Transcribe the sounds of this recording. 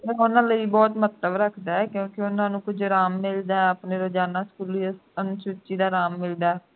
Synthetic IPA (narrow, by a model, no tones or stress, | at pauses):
ɛ̃ːʊnãːləiːbɔːt̪mət̪ləbɾəkʰd̪aːɛːkjõːkeʊnãːnũːkʊd͡ʒɾaːmːɪld̪aːɛəpneːɾod͡ʒaːnaːskuːlisənt͡ʃʊt͡ʃiːd̪aːɾaːmːɪld̪aːɛ